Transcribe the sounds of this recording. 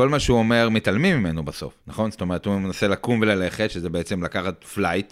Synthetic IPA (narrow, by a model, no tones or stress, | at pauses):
ko̞lmaʃeuome̞ʁmitalmimːimenubaso̞̰fnaχo̞nztome̞ʁethumenaselakumvelale̞χetʃezebeet͡se̞mlakaχatflajt